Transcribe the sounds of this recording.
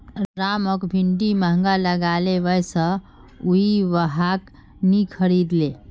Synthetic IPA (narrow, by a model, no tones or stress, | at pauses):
ɾaməkbʱiɳʈiməɦŋɡaləɡaleʋəjsə̃ | uɦiʋəɦak | nikʰəɾid̪le